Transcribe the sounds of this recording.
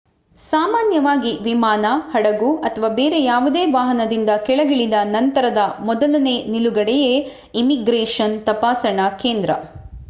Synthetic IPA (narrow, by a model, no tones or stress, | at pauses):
saːmaːnjɐʋaːɡiʋimaːnɐhɐɽɐɡuɐt̪ʰɐʋaːbeːɾe̞jaːʋud̪e̞ːʋaːɦɐnɐd̪ind̪ɐkɛɭɐɡiɭid̪ɐnɐnt̪ɐɾɐd̪ɐmɔd̪ɐlɐne̞ːniluɡɐɽɛje | imiɡɾeːʂɐnt̪ɐpaːsɐɳɐke̞ːnd̪ɾɐ̰